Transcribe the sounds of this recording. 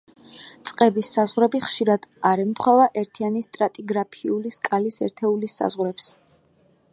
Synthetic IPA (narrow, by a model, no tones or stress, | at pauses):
t̪sʼqʼɛbisːazʁɾɛbiχʃiɾad̪̥aɾɛmt̪ʰχwɛvaʔɛɾt̪ʰianist̪ʼɾat̪ʼiɡɾapʰiuliskʼalisɛ̰ɾt̪ʰɛulisːa̰zʁɾɛps